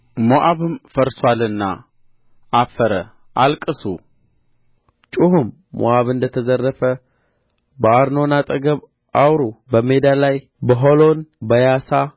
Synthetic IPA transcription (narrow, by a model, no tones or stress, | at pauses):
moʔaβɨmfəɾswalɨnːa̰ː | fəɾə | ʔalkʼɨsu | t͡ʃʼuhɨmː | o̰ʔaβɨnd̪ət̪ʰəzərːəfə | bəaɾno̞nat̪ʼəɡəβ | ʔawɾubəmed̪alaj | bəɦolo̞nbəjasa